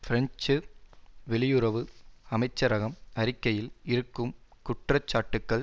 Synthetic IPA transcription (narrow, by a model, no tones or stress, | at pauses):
fɪɾɐɲt͡ʃɯʋɛɭɪjɯɾɐʋɯɐmɐɪt͡ʃːɐɾɐɣɐmɐɾɪkːɐjɪlɪɾɯkːɯmkʊʈrɐt͡ʃːaːʈːɯkːɐɭ